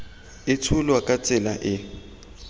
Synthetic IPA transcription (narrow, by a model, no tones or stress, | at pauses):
ɪtʰʊlwakʼat͡sʼɪlaʔɪ